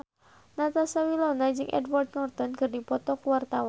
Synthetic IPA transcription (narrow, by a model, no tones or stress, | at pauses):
nat̪asawilɔnad͡ʒɨŋʔɛ̰dward̪nɔrt̪ɔnkɨrdipɔt̪ɔkuwart̪awan